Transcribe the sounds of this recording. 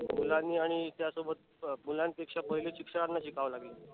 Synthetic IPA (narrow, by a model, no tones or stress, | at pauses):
mulãnːiːaɽ̃it̪jasobət̪̚ | mulãnt̪ekʂapəɦileɕikʂəɽanːaɕikaʋlaɡle